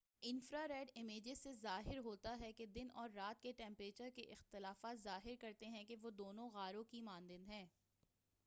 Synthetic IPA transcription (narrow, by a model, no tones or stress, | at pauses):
ɪnfɾaɾɛːɖɪmeːd͡ʒesːezaːɦɪɾɦoːt̪aɦɛked̪ɪnɔːɾːaːt̪keʈɛ̃ːmpɾeːt͡ʃəɾkeʔɪxt̪ɪlaːfaːt̪zaːɦɪɾkɐɾt̪eɦɛ̃keʋod̪oːnõɣaːɾõkimãːnd̪ɪ̃nd̪ɦɛ̃ː